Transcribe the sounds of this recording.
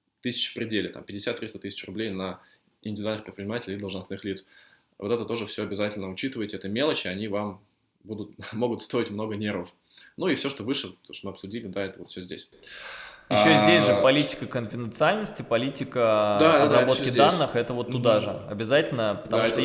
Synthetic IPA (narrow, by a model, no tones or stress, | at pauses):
t̪ɨsʲɪ̥t͡ɕfpɾʲɪdʲelʲɪt̪a̰mpʲɪdʲɪsʲat̪ːɾʲist̪ət̪ɨsʲɪ̥t͡ɕrʊblʲejnə | ɪ̰nʲdʲɪvʲɪd̪alnɨxpɾʲɪt̪pɾʲɪnʲɪmatʲɪlʲɪid̪əlˠʐnɐsnɨxlʲit̪s | v̞t̪ɛt̪ət̪o̞ʐɨfsʲoɐbʲɪzatʲɪlʲnəʊt͡ɕit̪ɨvəjɪtʲɪɛt̪əmʲelˠət͡ɕɪɐnʲivam | bud̪ʊt̪̚mo̞ɡʊt̪st̪o̞ɪtʲmno̞ɡənʲe̞ɾvəf | nuifsʲo̞ʂt̪o̞vɨʂɨoʂt̪mɨɐpsʊdʲilʲɪd̪aɛt̪əvofsʲozʲdʲḛsʲ | jɪɕːozʲdʲesʲʐɨpɐlʲitʲɪ̥kəkənfʲɪd̪ʲɪnt̪sɨalʲnəsʲtʲɪpɐlʲitʲɪkəd̪aɐbot̪kʲɪd̪anːɨxɛt̪əvot̪ːʊd̪aʐɨɐ̰bʲɪzatʲɪlʲnəpə̥t̪ɐmuʂt̪